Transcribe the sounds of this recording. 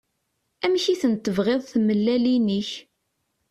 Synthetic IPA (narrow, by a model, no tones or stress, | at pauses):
æmçiθənt̪ːəvʁeðˤθməlːæliniç